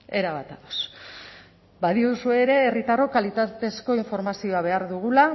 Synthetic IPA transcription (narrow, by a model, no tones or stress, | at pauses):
e̞ɾaβat̪aos | baðiusue̞ɾe̞ːrit̪aro̞kalit̪at̪e̞sko̞iɱfo̞ɾmasio̞aβ̞e̞aɾðuɣ̞ula